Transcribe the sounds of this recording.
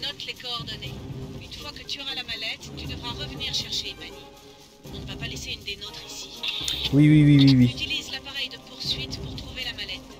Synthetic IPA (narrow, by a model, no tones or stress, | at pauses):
nɔt̪lekɔːʁd̪ɔneynfwakət̪yɔʁalamalɛt̪ːyd̪əvʁaʁəvəniʁʃɛʁʃeymani | ɔ̃nəvapaleseynd̪enɔt̪χisi̥wiwiwiwiwiyt̪ilizlapaʁɛjd̪əpuʁsɥit̪puʁt̪χuvelamalɛt̪